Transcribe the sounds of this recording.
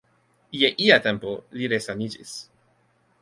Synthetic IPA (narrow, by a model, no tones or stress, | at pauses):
jeʔiat̪empoliɾesanid͡ʒḭs